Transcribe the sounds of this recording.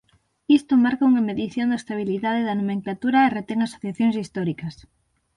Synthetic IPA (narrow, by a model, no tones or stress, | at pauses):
ist̪omaɾkauŋɐmeðiθjond̪aest̪aβ̞iliðaðeðanumẽŋklat̪uɾaeret̪ɛŋaso̥θjaθjoŋsist̪ɔɾikɐs